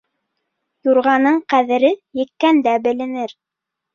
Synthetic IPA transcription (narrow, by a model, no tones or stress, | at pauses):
juɾʁɑnɤɴqæðɘ̆ɾɘjɘ̆kkːænd̪æbɘ̆lɘ̆nɘɾ